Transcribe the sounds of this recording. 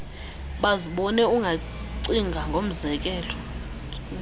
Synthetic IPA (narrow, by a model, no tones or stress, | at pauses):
ɓaziɓɔnɛuŋɡʱa | ǀiŋɡʱaŋɡʱom̩zɛk̬ʼɛːlɔ